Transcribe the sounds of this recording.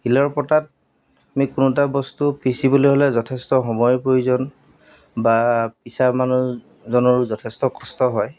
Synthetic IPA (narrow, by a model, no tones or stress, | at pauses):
ilɔɹpɔtat̚ | amikunɔt̬abɔstupisiboloɦɔlɛzɔtʰestɔɦɔmɔjpɹojuzɔn | bapisamanu | zɔnɔɹuzɔtʰestɔkɔstɔɦɔj